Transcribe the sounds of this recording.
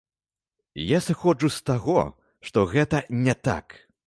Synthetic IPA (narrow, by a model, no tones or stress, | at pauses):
jasɨxɔd͡ʐust̪aɣɔ̰ | ʂt̪ɔɣɛt̪ɐnʲɛt̪a̰k